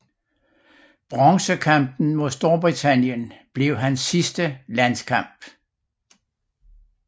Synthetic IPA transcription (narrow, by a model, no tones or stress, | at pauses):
b̥ʁɑŋsəkʰɑm̰b̥n̩mo̝ðˠsd̥o̝ɐb̥ʁit͡sʰæn̰jənb̥le̝ʊ̰ɦænsːisd̥əlæn̰skʰɑ̈m̰b̥